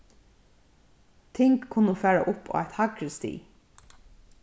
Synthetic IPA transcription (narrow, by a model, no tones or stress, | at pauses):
t̪ʰɪŋkʰːʊnːəfæːɹa̰ʔʊpo̰ːæ̰t̪hɑkɾəst̪ḭː